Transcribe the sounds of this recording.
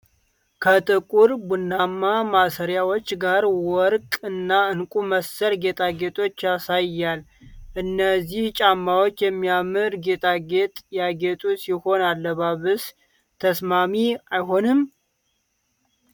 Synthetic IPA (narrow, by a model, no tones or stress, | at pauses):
kʰət̪ʼɨkʼuɾbunːamːamasəɾjawo̞t͡ʃːɡaɾwɔɾkʼɨnːaɨnkʼuməsəɾɡe̞t̪ʼaɡe̞t̪ʼo̞t͡ʃːasajjːalʔɨnːəziht͡ʃʼamːawot͡ʃːjɛmːijamɨɾɡet̪ʼaɡe̞t̪ʼjaɡe̞t̪ʼusiho̞nalːəβaβɨs | t̪ʰəsmamiajɦo̞nɨm